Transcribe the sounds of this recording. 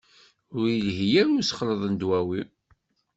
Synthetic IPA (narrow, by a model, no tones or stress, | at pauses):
ʊɾjəlɦijæɾʊɾsχləðˤənd̪wæwi